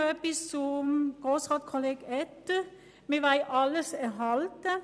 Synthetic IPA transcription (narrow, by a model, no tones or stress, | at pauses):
ɛpɪsɔmɡ̥osʁɑd̪kʰɔleɡɛt̪ | meʋæɪɑlːəsɛɦɑlt̪